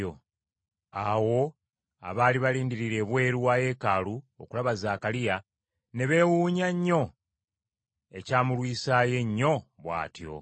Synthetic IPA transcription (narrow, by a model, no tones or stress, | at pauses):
o | awo̞ | a̰βaːliβaliːndiɾiɾe̞βwe̞ːɾuwaːje̞ːkaːluo̰kulaβazaːkalija | ne̞βe̞ːwuːɲaɲːo̞ | e̞caːmulwiːsaːje̞ɲːo̞βwa̰ːtjo̞̰